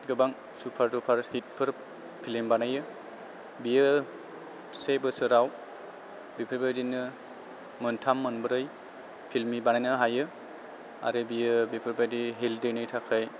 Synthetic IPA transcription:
ɡɯbaŋ | supʰaɾdupʰaɾhit̚pʰɯɾ | pʰilimbanajɯ | bijɯ | sebɯsɯɾaw | bipʰɯɾbajdinɯ | mɯntʰamːɯnbɯɾɯj | pʰilmibanajnɯɦajɯ | a̰ɾɯbijɯbipʰɯɾbajdiɦildɯnɯjtʰakʰɯj

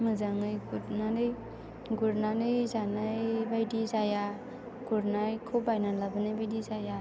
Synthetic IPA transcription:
mɯzaŋɯjɡutnanɯj | ɡuɾnanɯjzanajbajdizaja | ɡ̥uɾnajkʰubajnalabɯnɯjbajdizaja

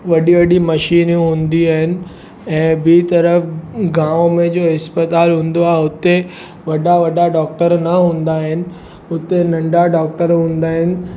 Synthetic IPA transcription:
ʋɐɗiʋɐɗimɐʃiːnɦũːnd̪iaːɦɪnɪ̆ | ɛ̃ːbit̪ɐɾəfɡãːʋõmẽd͡ʑoːɦɪspət̪aːlɦũːn̆d̪oaːɦɪʊt̪e | ʋɐɗaʋɐɗaɖɔːk̚ʈəɾnɐɦũːn̆d̪aːɦɪnɪ̆ | ʊt̪enɐ̃ɳɖaɖaːk̚ʈəɾɦũːnd̪aːɦɪnɪ̆

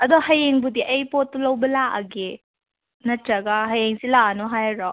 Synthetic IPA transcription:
ɐdɔhɐjeŋbudiʔɐjpotːulɐwbɐlaʔɐɡe | nɐtɾɐɡaɦɐjeŋsilaanɔɦajɾɔ

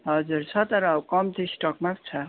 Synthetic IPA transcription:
ɦʌd͡zuɾt͡sʰʌt̪ʌɾʌːwkʌmt̪ʰisʈʌkmapt͡sʰʌ

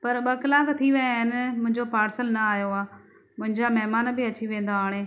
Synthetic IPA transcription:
pɐɾɓɐkɪlaːkt̪ʰiʋɐjaːɦɪnɪmʊ̃ɦɪ̃ɲd͡ʑopaːɾsəlnɐaːɦjoaː | mʊ̃ɦɪ̃ɲd͡ʑamɐɦmaːnbɪɐt͡ɕiʋẽːnd̪aaːɽ̃eː

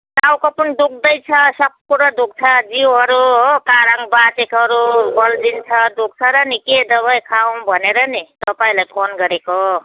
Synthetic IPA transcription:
tawkopund̪uk̚ʰd̪ʌjt͡sʰʌsʌb̚kuɾʌd̪uk̚t͡sʰʌd͡ziwɦʌɾuɦokaɾaŋbat͡sekɦʌɾubʌld͡zint͡sʰʌd̪uk̚t͡sʰʌɾʌniked̪ʌβajkʰaw̃bʱʌneɾʌnit̪ʌpaĩlajpʰonɡʌɾeko

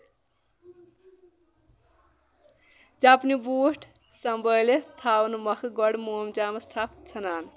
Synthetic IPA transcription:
d͡zapnibuːʈʰ | sʌmbəjlet̪ʰawnmʌkʰɡɔɽmomd͡ʒamɐst̪ʰapt͡sʰɐnaːn

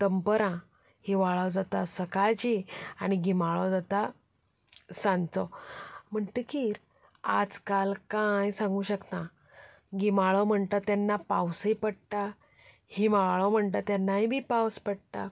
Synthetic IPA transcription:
t̪əmpəɾã | hiʋaɭawd͡zat̪asəkad͡ʑiaɽ̃iɡimaɭɔd͡zat̪a | sãnt͡sɔm̤əɳʈ̪əkiːɾ | ad͡zkalkajsãŋɡuːɕəkt̪ã | ɡimaɭɔm̤əɳt̪ət̪janːapawsipəɽʈ̪a | hiʋaɭɔm̤əɳt̪ət̪janːaibʱiːpawspəɽt̪a

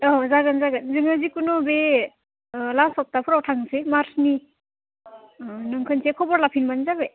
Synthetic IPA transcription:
ɔzaɡɯnzaɡɯnzɯŋazikunɔbe | lasɔp̚tapʰuɾawtʰaŋsemaɾsni | nɯŋkʰɯnsʰekʰɔbɔɾlapʰinmanzabe

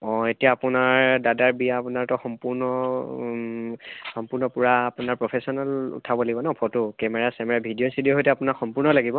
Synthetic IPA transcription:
ɔ̃etijaːpʊnaɹdadaɹbijaːpunaɹtɔxɔmpuɹnɔ | xɔmpuɹnɔpuɹaːpʊnaɹpɹɔpʰesɔnalṵtʰabɔlaɡibɔnapʰɔtʊkɛmɛɹasɛmɛɹabʱidijɔsidiɔɦojtɛapʊnakxɔmpuɹnɔlaɡibɔ

